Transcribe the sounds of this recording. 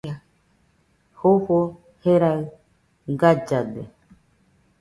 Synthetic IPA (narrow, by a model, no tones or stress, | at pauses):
a | hoho | heɾaɯ | ɡad͡ʒad̪ḛ